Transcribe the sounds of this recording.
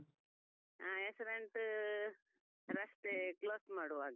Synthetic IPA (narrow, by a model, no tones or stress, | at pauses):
aesɾeɳʈ | ɾɐsʈ̪ekloːsmaːɽuʋaːɡɐ